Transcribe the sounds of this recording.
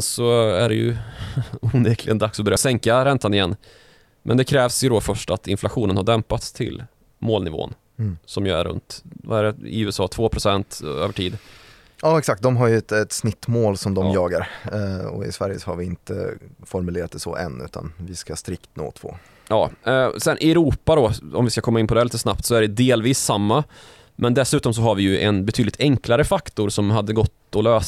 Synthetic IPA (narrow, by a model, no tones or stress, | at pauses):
nsɔæɖɛjɵ̰ | uːneːkʰlɪɡənd̪aksɔbɛɾɛsɛŋkaɾɛnt̪anɪjɛnː | mɛnd̪ɛkʰɾɛːvsjɵd̪ɔfœʂʈat̪ɪnflaɧuːnənhaɖɛmpat̪st̪ʰɪ̰l | moːlnɪvo̰ːə̰n | sɔmjɑæ̰ɾɵ̰nt̪vaæɾɛɪ̰ʉːɛsɑːt̪ʰvoːpʰɾʊsɛnt̪øːvəʈʰiːd̪ | jɑːɛksak̚t̪̚d̪ɔmɦaɾjɵɛt̪ɛt̪snɪt̪ːmoːlsɔmd̪ɔmjɑːɡaɾɔ̰ɪ̰svæɾjəsɔhaɾvɪɪnt̪ə̰fɔɾmɵleːɾat̪̚d̪ɛsɔ̰ʔɛ̰nʉ̟̰ːt̪ʰa̰nvɪskast̪ɾɪkt̪no̰ːt̪ʰvo̰ː | jɑ̰ːsɛnʔɪɛɾuːpad̪ɔɔ̰mvɪskakʰɔmːaɪnːpʰɔd̪ɛliːt̪ːəsnapt̪sɔæɖɛd̪eːlviːsːamːa | mʔɛnd̪ɛsʉ̟ːt̪ɔms̬ɔɦaɾvɪjɵʔɛnbɛt̪ʰyːd̪lɪt̪ʰɛŋklaɾəfakt̪ʊɾsɔmɦad̪ːəɡɔt̪ːɔløːs